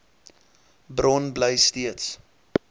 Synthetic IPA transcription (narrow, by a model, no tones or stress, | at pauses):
brɔnbləjstiəts